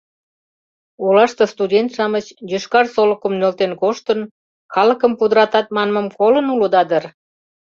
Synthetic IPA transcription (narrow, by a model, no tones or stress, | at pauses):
ulɑʃt̪ost̪udʲent̪ʃɑmət͡ɕjøʃkɑrsoləkə̆mnølt̪enkoʃt̪ən | kɑlə̆kəmpud̪əɾɑt̪ɑt̪̚mɑnməmkolənuləd̪ɑd̪ər